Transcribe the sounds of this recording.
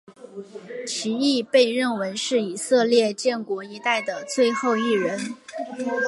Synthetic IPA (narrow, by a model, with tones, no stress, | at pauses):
t͡ɕʰi˧˥i˥˧pe˥˧ɪɻə˥˩nwe˧˥ɪʂɻ̩˥˩i˨˩sɤ˥˧ljɛ˥˧t͡ɕjɛ˥˩nkwɔ˧˥i˧˥t̪a˥˩ɪd̪ə˩t͡swe˥˧ɪxo˥˧ʊi˥˩ɻə˧˥n